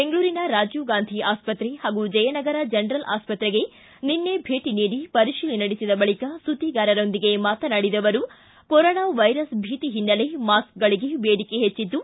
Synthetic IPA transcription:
beŋɡɐɭuːɾinɐɾaːd͡ʒjuɡaːnd̪ʱiaːspɐt̪ɾehaːɡud͡ʒɐjɐnɐɡɐɾɐd͡ʒɐnɾɐlʔa̰ːspɐt̪ɾeɡe̞ | ninːebʱe̞ːʈiniːɽipɐɾiʃiːlinɐɽisid̪ɐbɐɭikɐsut̪iɡaːɾɐɾo̞nd̪iɡe̞maːt̪ɐnaɽid̪ɐʋɐɾu | kɔɾɔːnaːʋɐjɾɐsbʱiːt̪iɦinːɐle̞maːskɡɐɭiɡe̞beːɽikeɦet͡ʃːit̪ːu

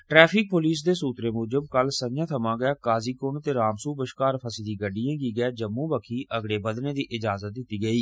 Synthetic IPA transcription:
ʈɾɛːpʰɪk̚poːliːs̬d̪eːsuːt̪ɾeːmoːd͡ʒəbkəlsəjãːt̪ʰəmãːɡəaːkaːziːkont̪eːɾaːmsuːbəʃkaːɾpʰəsiːd̪iːɡəɖijãːɡiːɡɛːd͡ʒəmːũːbəkʰiːʔəɡɽeːbəd̪neːd̪iːʔɪd͡ʒaːzət̪̚d̪ɪt̪ːiːɡəiː

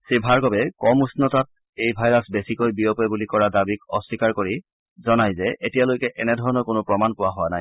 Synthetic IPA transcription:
sibʱaɹkɔbɛkɔmusnɔtat̚ | ejbʱajɹasbesikojbiɔpɔbulikɔɹadabikɔsːikaɹkoɹi | zɔnajzɛʔetijalojkɛʔɛnɛdʱɔɹɔnɔɹkonʊpɹɔmanpʊwaɦʊanaj

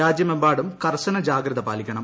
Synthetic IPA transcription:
aːd͡ʑjɐmembaːɽumkɐrɕɐnɐd͡ʑaːɡɾɐðɐpaːlikʲːɐɳɐm

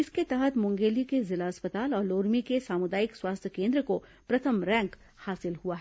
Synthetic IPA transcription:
ɪsket̪ɛɦət̪mʊ̃ŋɡeːlikezɪlaɐspət̪aːlɔːɾloːɾmikesaːmʊd̪aːjɪkswaːst̪ʰjəkẽːnd̪ɾəko | pɾɐt̪ʰəmɾɛ̃ːŋk | haːsɪlhuaɦɛː

